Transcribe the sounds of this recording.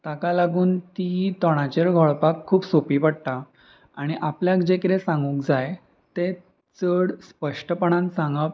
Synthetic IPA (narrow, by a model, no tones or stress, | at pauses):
t̪akalaɡuːnt̪it̪ɔɽ̃at͡ɕeɾɡʱɔɭpakʰːuːbsopiːpəɽt̪a | aɽ̃iʔapljakd͡ʑekɾesãŋɡũːkd͡zaj | t̪e | t͡səɽspəʂʈəpəɳ̃ãnsãŋɡəp